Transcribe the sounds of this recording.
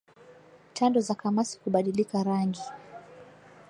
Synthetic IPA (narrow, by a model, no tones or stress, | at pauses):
tʰandɔzakamasi̥kuɓaɗilikaɾaŋɡi